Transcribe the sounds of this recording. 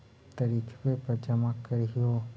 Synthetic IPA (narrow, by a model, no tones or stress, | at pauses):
t̪əɾikʰpepəd͡ʒəmãkəɾjo